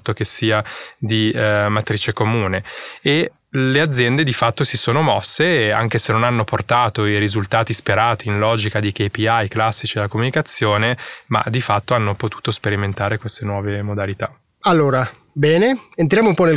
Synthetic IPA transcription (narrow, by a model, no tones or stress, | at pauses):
t̪ːok̟esːiːad̪imat̪ɾit͡ʃekomuːnee | lead̪zːjɛnd̪ed̪ifat̪ːosisoːnomɔsːeaŋk̟esenːonanːoport̪aːt̪oiɾizult̪aːt̪ispeɾaːt̪iːnlɔːd͡ʒikad̪ik̟epiajklasːit͡ʃid̪elakomunikat̪sːjoːnema̰d̪ifat̪ːoanːopot̪u̥ːt̪ospeɾiment̪aːɾekwest̪enwɔːvemod̪alit̪a | alːoːɾa | bɛːneent̪ɾjaːmoumpɔnel